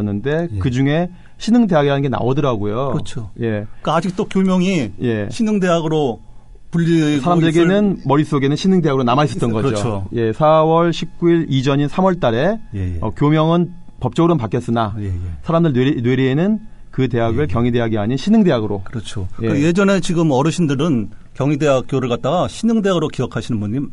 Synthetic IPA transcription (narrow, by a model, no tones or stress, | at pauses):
ʌnːɯnde̞kɯd͡ʑuŋe̞ | ɕʰinɯŋde̞ɦaɡeɦanɯnŋɡena̰odɯɾaɡojot͡ɕʰoje̞k͈aad͡ʑik̚t͈okjomjʌŋije̞ɕʰinɯŋdeɦaɡɯɾo | puʎːisʰaɾamdɯɾe̞ɡe̞nɯnmʌɾis͈oɡe̞nɯnɕʰinɯŋdeaɡɯɾonamais͈ʌt͈ʌnɡʌd͡ʑooje̞sʰawʌɭɕʰip̚k͈uiɾid͡ʑʌɲinsʰamwʌɭt͈aɾe̞jeʌ̰kjomjʌŋɯn | pʌp̚t͡ɕ͈ʌɡɯɾɯnpak͈jʌs͈ɯnajesʰaɾamdɯɭnweɾiːnɯn | kɯte̞ɦaɡɯɭkjʌŋide̞ɦaɡeaɲinɕʰinɯŋde̞ɦaɡɯɾokɯɾʌt͡ɕʰojekaje̞d͡ʑʌne̞t͡ɕiɡɯmʌɾɯɕʰindɯɾɯnkjʌŋide̞ɦak̚k͈joɾɯɭkat̚t͈aɡaɕʰinɯŋde̞ɦaɡɯɾokijʌkʰaɕʰinɯnbuɲːim